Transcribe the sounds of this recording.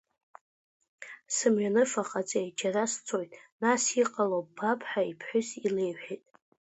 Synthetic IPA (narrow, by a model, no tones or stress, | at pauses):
sɨmɥᶣanɨfaqʼat͡sʼejd͡ʒarast͡sʰo̞jtʼnasiqʼalob̥apʰħaipʰħʷᶣʊsile̞jħʷᶣejtʼ